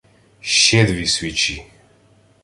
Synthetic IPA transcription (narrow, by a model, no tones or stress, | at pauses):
ʃɛd̪viswit͡ʃʰi